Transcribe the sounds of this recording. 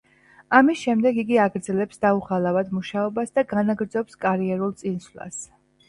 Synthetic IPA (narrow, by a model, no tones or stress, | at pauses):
amisʃɛmd̪ɛɡiɡiaɡɾd̪zɛlɛpsd̪auχalˠavad̪muʃaɔbasd̪aɡanaɡɾd̪zɔpskʼaɾiɛɾulˠt̪sʼinslˠa̰s